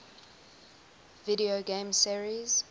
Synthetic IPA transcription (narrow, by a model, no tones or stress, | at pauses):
viɾioɡẽmsiɹiz̥